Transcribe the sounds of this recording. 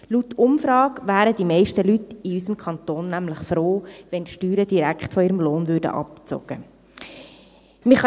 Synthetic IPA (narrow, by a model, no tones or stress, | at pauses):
lutːʊmfɾɑːkʋæːɾədimɛɪʃtəlytiysəmkʰχɑnt̪oːnːæmləχfɾoːʋɛntʃtyːɾəd̥iɾækχtfɔiːɾəmloːnvøɾdə̰ʔɑ̰p̚t͡so̰ɡ̥ə̰ | mɪχ